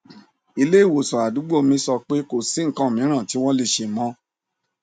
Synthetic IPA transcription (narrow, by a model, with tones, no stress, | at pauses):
i˧le˦i˦˨wo˨sɔ˨a˨du˨˦ɡ͡bo˦˨mĩ˧˦sɔ˧k͡pe˦ko˨si˨˦ŋ̩˨kã˦˨mĩ˨˦ɾ̃ã˦˨ti˨˦w̃ɔ̃˦le˧ʃe˧mɔ̃˦